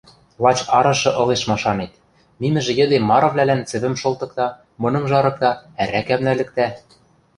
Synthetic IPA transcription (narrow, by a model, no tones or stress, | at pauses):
lˠɑt͡ɕɑɾɤ̆ʃɤ̆ʔɤ̆leʃmɑʃɑnet̪̚ | nimɘ̆ʒɘ̆jɘ̆d̪emːɑɾŏvlælænt͡sɘ̆βɘ̆mʃolˠt̪ɤ̆k̚t̪ɑ | mɤ̆nɤ̆mʒɑɾɤ̆k̚t̪ɑæɾækæmnælɘ̆k̚t̪æ